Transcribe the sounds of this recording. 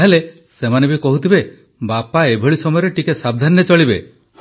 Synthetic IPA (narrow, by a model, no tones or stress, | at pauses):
ɦele | semanebikɔɦut̪ʰibe | bapaebʱɔɭisɔmɔjɔɾeʈikesab̚d̪ʱanːet͡ʃɔɭibe | h